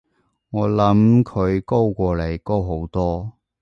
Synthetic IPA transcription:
ŋɔː˨˧lɐ˨˥mkʰɵ˨˧ɥko˥wkʷɔː˧le˨˩jko˥wɦo˨˥wt̪ɔː˥

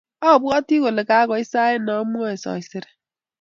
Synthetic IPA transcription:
ɔ˦˨bwɔ˦ti˦ɣo˨lɪ˨ka˨˦ɣɔ˨i˦sa˦e˦nɔ˨˦m˦ɔ˦e˨sɔ̰˨i˨sɪ˨ɾe̥˨

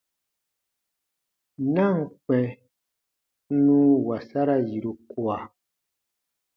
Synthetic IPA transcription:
na˦˨ŋ˨k͡pɛ̃˨˦ | nũ˦wa˨sa˦ɾa˦ji˨ɾu˧ku˨a˨

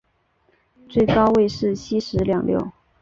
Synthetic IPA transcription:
t͡swe˥˩ɪkɑ˥ʊwe˥˧ɪʂɻ̩˥˩ɕʰi˥ʂɻ̩˧˥ljɑ˨˩ŋljo̰˥˩ʊ

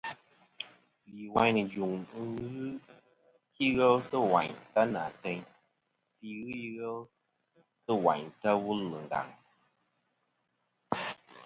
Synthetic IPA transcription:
li˨wa˦ɲ˦nɨ˨d͡ʒu˨ŋ̩˦ɣɨ˦ | ki˦ɣɛ˦lsɨ˦wa˨ɲta˦na̰˨tɛ˧ɲ | ti˦ɣɨ˦ji˦ɣɛ˦l | sɨ˦wa̰˨ɲta˦wu˦lːɨ˨ŋ̩˨ɡa̰˨ŋ

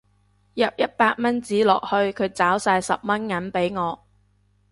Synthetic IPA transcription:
jɐ˨p̚jɐ˥t̚paː˧t̚mɐ˥nt͡siː˨˥lɔ̰ː˨˩k̚hɵ˧ɥkʰɵ˨˧ɥt͡saː˨˥wsaː˧jsɐ˨p̚mɐ˥nŋɐ˨˥npe˨˥jŋɔː˨˧

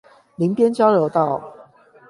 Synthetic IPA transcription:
li˨˦ŋpjɛ˦nt͡ɕjɑ˥˦ʊljo˨˧˦ʊt̪ɑ˥˨ʊ

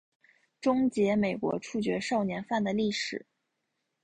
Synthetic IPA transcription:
ʈ͡ʂʊ˥ŋt͡ɕjɛ˧˥me˨˩ɪkwɔ̰˧˥ʈ͡ʂʰu˥˩t͡ɕɥɛ˧˥ʂɑ˥˩ʊnjɛ˧˥nfa˥˩nd̪ə˩li˥˩ʂɻ̩˨˩˦

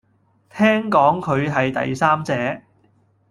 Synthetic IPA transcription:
t̪ʰɛː˥ŋkɔː˨˥ŋkʰɵ˨˧ɥɦɐ˨jt̪ɐ̰˨jsaː˥mt͡sɛː˨˧

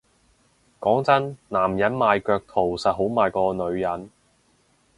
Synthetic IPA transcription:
kɔː˨˥ŋt͡sɐ˥nnaː˨˩mjɐ˨˥nmaː˨jkœː˧k̚t̪ʰo˨˩wsɐ˨t̚ɦo˨˥wmaː˨jkɔː˧nɵ˨˧ɥjɐ˨˥n

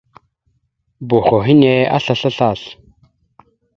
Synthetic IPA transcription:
bo˨xo˨ɦi˦ne˦a̰˦ɬa˨ɬa˦ɬa˦˨ɬ

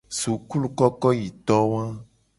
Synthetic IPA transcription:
su˨ku˦lu˦kɔ˦kɔ˦ji˨t̪ɔ˦wã˦

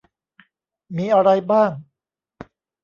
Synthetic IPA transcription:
miː˧ʔa˧ɾa˧jbaː˥˩ŋ

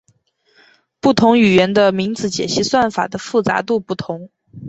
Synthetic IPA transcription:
pu˥˩t̪ʰʊ˧˥ŋy˨˩ɥɛ˧˥nd̪ə˧mi˧˥ŋt͡sɹ̩˧˥t͡ɕjɛ̰˨˩ɕi˥swa˥˩nfa̰˨˩d̪ə˦fu˥˩t͡sa̰˧˥t̪u˥˧pu˥˩t̪ʰʊ˧˥ŋ

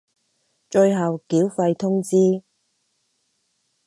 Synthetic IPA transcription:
t͡ʃɵ˧jɦɐ˨wkiː˨˥wfɐ˧jt̪ʰʊ˥ŋt͡siː˥

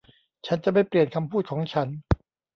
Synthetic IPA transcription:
t͡ɕʰa˦˥nt͡ɕa˨˩ma˥˩jpli˨˩ənkʰa˧mpʰuː˥˩t̪̚kʰɔː˩˦ŋt͡ɕʰa˦˥n

